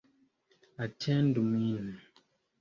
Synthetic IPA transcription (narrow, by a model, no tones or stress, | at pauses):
atʰɛ̃ndumini